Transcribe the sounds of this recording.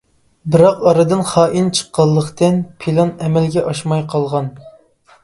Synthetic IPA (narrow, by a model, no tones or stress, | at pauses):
bɨɾɑqɑɾɨd̪ɨnχɑːʔint͡ʃʰə̥qːɑlˠːəqt̪ɨnpʰilˠɑnɛmɛlɡʲɛʔɑʃmɑjqʰɑlˠʁɑn